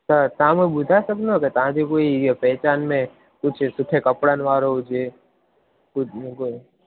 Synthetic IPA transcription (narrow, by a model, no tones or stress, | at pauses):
sət̪ãmobʊd̪ʱaːsəkd̪oket̪ɐɦãd͡ʒekoːipɛːt͡ʃaːnmẽ | kʊt͡ʃʰsʊʈʰekəpɽanʋaːɾoʊd͡ʒe | kʊkoi